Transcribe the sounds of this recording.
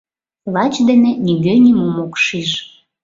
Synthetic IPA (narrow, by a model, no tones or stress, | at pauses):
lɑt͡ɕd̪enĕniɣønʲimomokʃiʒ